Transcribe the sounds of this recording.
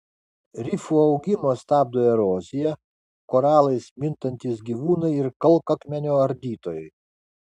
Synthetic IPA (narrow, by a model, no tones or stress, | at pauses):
ɾʲɪfuːɒʊɡʲɪmoːst̪ɑːb̚d̪oːjɛɾoːzʲɪjɛ | koːɾɑːlˠɐɪsmʲɪnt̪ɐnʲt̪ʲɪsɡʲiːʋuːnɐɪɪɾkɐlˠkɐkmʲɛnʲoːɐɾʲd̪ʲiːt̪oːjɛɪ